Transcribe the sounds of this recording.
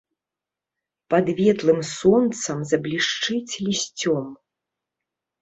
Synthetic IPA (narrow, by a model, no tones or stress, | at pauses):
pɐd̪vʲɛt̪lˠɨmsɔnt̪sɐmzɐblʲiʂt͡ʂɨt͡sʲlʲisʲt͡sʲɔm